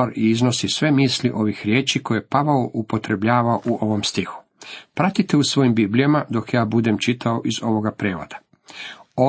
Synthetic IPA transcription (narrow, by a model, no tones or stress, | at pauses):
aɾiizno̞sisʋe̞miːsliʔo̞ʋixɾjeːt͡ʃiko̞jepaʋaoʔupo̞t̪ɾe̞bʎaːʋaoʔuʔoʋomst̪ixu̥ | pɾat̪it̪eusʋo̞imbiːblʲijamad̪o̞kjaːbud̪e̞mt͡ʃit̪ʰao̞ʔizo̞ʋoɡapɾeːʋo̰d̪̥a | o